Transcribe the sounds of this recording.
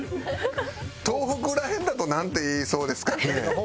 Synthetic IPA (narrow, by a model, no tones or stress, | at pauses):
t̪o̞ːɦokɯ̟ɾahẽnd̪at̪o̞nãnt̪e̞iːso̞ːd̪e̞sɨ̥kane̞